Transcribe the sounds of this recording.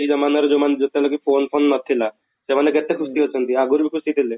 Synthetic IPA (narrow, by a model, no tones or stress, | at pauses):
id͡ʒɐmanaɾd͡ʒomaned͡ʒot̪elokipʰoːnpʰoːnːɔt̪ʰːila | semanekɛt̪ːekʰust̪iɦot͡ʃʰənt̪iaɡuɾbʱikʰusit̪ʰile